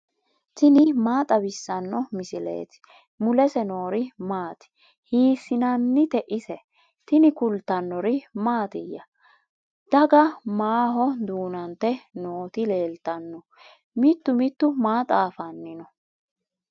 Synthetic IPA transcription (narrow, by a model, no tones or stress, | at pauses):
t̪ɪnɪmaːt̪ʼɐbɪsːɐnːɔmɪsɪlḛːt̪ɪ̥ | mʊlɛsɛno̞ːɾɪmaːt̪ɪ̥ | hiːsːɪnɐnːɪt̪ɛʔɪsɛ | t̪ɪnɪkʊlt̪ɐnːɔɾɪmaːt̪ɪjːɐ | d̪̥ɐɡɐmaːɦɔd̪uːnɐnt̪ːɛnoːt̪ɪle̞ːlt̪ɐnːɔ | mɪt̪ːʊmɪt̪ːʊmaːt̪ʼaːfɐnːɪnɔ